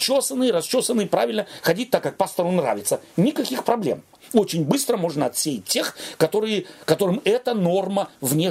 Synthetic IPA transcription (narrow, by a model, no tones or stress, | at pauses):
t͡ɕːosənːɨjɪɾɐst͡ɕːosənːɨpɾa̰vʲɪlʲnəxɐdʲit̚ʲt̪akːak̚past̪ɐɾʊnra̰vʲɪt̪sənʲɪkɐkʲixpɾɐblʲḛm | o̞t͡ɕɪnʲbɨst̪ɾəmo̞ʐnəɐt̪sʲejɪt̚ʲtʲːe̞xkɐt̪o̞ɾɨjɪkɐt̪o̞ɾɨmɛt̪əno̞rməvnʲe